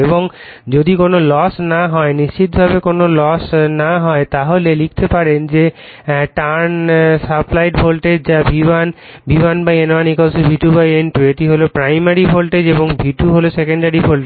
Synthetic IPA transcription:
eboŋ | d͡ʑod̪ikonolɔsnaɦɔeniʃt͡ɕit̪̚bʱabekonolɔsnaɦɔet̪aɦolelik̚t̪epaɾend͡ʑe | ʈaɾnsaplajʈbʱolʈed͡ʑabʱiban | bʱibanbajenanikolsubʱiʈubajenʈueʈiɦolopɾajmaɾibʱolʈed͡ʑeboŋbʱiʈuɦolosekeɳɖaɾibʱolʈe

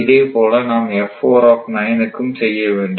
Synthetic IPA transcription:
ɪðeːpoːlɐnaːmɛfːoːɾaːfnɐjɐnɯkːɯmsɛjːɐʋeːɳɖɯ

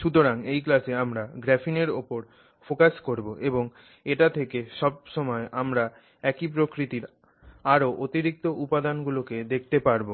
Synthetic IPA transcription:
ʃut̪̬oɾaŋejklaseamɾaɡɾɛfineɾopoɾ | fokaʃkoɾboʔeboŋ | eʈat̪ʰekeʃɔb̚ʃɔmɔeʔamɾa | ɛkipɾokɾit̪iɾ | aɾoʔot̪iɾik̚t̪oʔupad̪anɡuloked̪ek̚ʰt̪epaɾbo

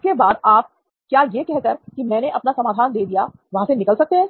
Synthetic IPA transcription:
kebaːd̪aːp̚ | kjaːjekɛɦkɐɾkimɛ̃ːneʔɐpnasɐmaːd̪ʱaːnd̪eːd̪ija | ʋɐɦãsenɪkəlsɐk̚t̪eɦɛ̃ː

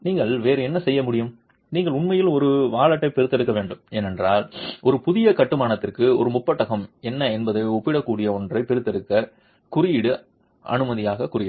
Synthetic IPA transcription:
niːŋɡɐɭʋeːɾɯɛnːɐsɛjːɐmʊɽɪjɯm | niːŋɡɐɭʊɳmɐjɪlɔɾɯʋaːɭɐʈːɐɪpɛɾɯt̪ːɛɽɯkːɐʋeːɳɖɯmeːnɛndraːlʔɔɾɯpʊðɪjɐkɐʈːɯmaːnɐt̪ːɪrkɯɔ̰ɾɯmʊpːɐʈːɐɣɐmɛnːɐɛnbɐðɐɪɔpːɪɽɐkːuːɽɪjɐɔndrɐɪpɛɾɯt̪ːɛɽɯkːɐ | kʊrɪjɪɽɯ | ʔɐ̰nɯmɐðɪjaːɣɐkʊɾɪjɪ

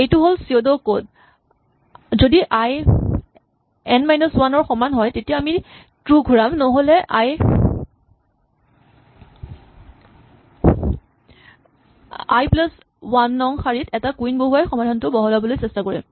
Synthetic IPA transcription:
ejtʊɦolsiodokod | zodiʔaj | ɛnmajnɔswanɔɹxɔmanɦɔjtetijaami | tɹuɡʱuɹamnɔɦolɛʔaj | a̰jplas | wanːɔŋxaɹitɛtakuinboɦuajxɔmadʱantʊbɔɦɔlabɔlojsɛstakoɹim

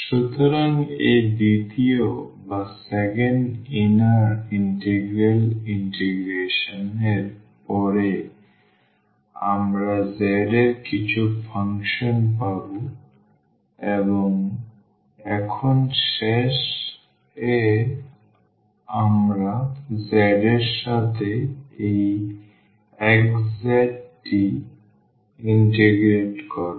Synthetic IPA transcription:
ʃut̪ɔɾaŋed̪it̪io | basɛkeɳɖinaɾiɳʈeɡɾeliɳʈeɡɾeʃɔneɾ | pɔɾe | a̰mɾazɛɾeɾkit͡ɕʰupʰaŋkʃɔnpabu | eboŋ | ɛkʰonʃeʃ | e | amɾazɛɾeɾʃat̪ʰeej | ɛkzaʈːi | inʈiɡɾeʈkɔɾ

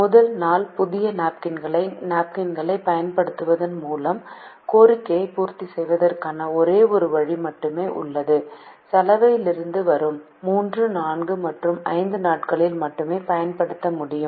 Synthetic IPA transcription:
mʊðɐlnaːlpʊðɪjɐnaːp̚kɪnɡɐɭnaːp̚kɪnɡɐɭɐɪpɐjɐnpɐɽɯt̪ːɯʋɐðɯnmuːlɐmkoːrɪkːɐjɐɪpuːɾt̪isɛjʋɐðɐrkaːnɐɔɾeːɔɾɯʋɐɻimɐʈːɯmeːʔʊ̰ɭːɐðɯsɐlɐʋɐjɪlɪɾɯnd̪ɯʋɐɾɯmː | uːndrɯnaːnɡɯmɐʈrɯmɐ̰ɪnd̪ɯnaːʈkɐɭɪlmɐʈːɯmeːpɐjɐnpɐɽɯt̪ːɐmʊɽɪjɯm

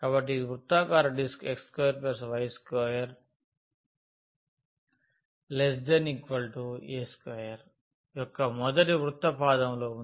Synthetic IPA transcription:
kaːbɐʈːiʋɾut̪ːaːkaːɾɐɖiskekskɔjɐɾpeɾs̬ɐʋɐjskɔjɐɾ | lesd̪ɐnikʋɐlʈueːskɐjɐɾ | jɔkːɐmɔd̪ɐʈiʋɾut̪ːɐpaːd̪ɐmlo̞ːun

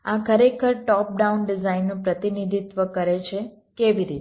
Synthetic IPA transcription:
akʰəɾekʰəɾʈɔp̚ɖaunɖizainːũpɾət̪inid̪ʱit̪ʋəkəɾet͡ʃʰe | keʋiɾit̪

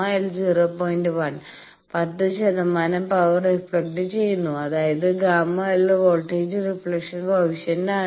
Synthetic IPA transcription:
ajild͡ʑiroːpoːjindɨʋɐn | pɐt̪ːɨɕɐðɐmːaːnɐmpɐʋɐrekspɭek̚ʈːɨt͡ɕe̞jːunːuɐðaːjɐðɨɡaːmːaːjilʋoːlʈːeːd͡ʑɨrifɭekʂɐnbʱɐʋiɕɐnnaː

